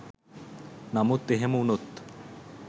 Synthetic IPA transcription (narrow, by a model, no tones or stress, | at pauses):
namut̪ːeɦemunot̪